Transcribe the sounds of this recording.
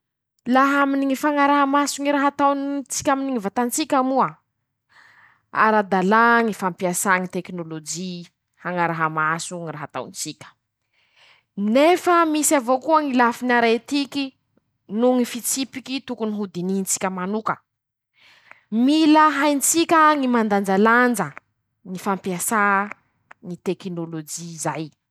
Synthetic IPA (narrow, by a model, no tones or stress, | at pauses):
laɦaminiŋifaŋaɾaɦamasuŋiɾaɦat̪awnt͡si̥kʲaminiŋivat̪ant͡sikʲamua | a̰ɾad̪alaŋifampiasaŋit̪eknolod͡ʒi | haŋaɾaɦamasuŋiraɦat̪a̰wnt͡sikʲə̥ | nefəmisavokuəŋilafinaɾet̪ikʲi | nuŋifit͡sipikʲit̪ukuniɦud̪inint͡si̥kʲəmanukə | miləɦajnt͡sikʲəŋimand̪and͡ʒaland͡ʒə | ŋifampiasa | ŋit̪eknolod͡ʒiːzaj